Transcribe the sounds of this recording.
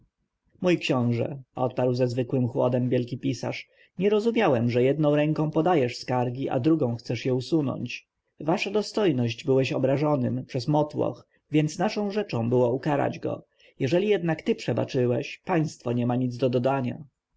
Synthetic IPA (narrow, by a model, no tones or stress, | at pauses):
mujkɕɔ̃w̃ʐɛ̰ɔ̰t̪̚paɾwzɛzvɘkwɘmxwɔ̰d̪ɛmvʲjɛlkʲipʲisa̰ʂ | ɲɛɾɔzumʲjawɛmʐɛjɛd̪nɔ̃w̃ɾɛŋkɔ̃pɔd̪ajɛʂskaɾɡʲiʔa̰d̪ɾuɡɔ̃w̃xt̪sɛʂjɛusunɔ̰ɲt͡ɕ | vaʂad̪ɔst̪ɔjnɔʑd͡ʑbɘwɛɕɔbɾaʐɔnɘmpʂɛzmɔt̪wɔ̰x | vʲjɛnt̪snaʂɔ̃w̃ʐɛt͡ʂɔ̃w̃bɘwɔukaɾa̰d͡ʑɡɔ̰ | jɛʐɛlʲijɛd̪nakt̪ɘpʂɛba̰t͡ʂɘwɛɕpaj̃st̪fɔɲɛmaɲid̪zd̪ɔd̪ɔd̪aɲa̰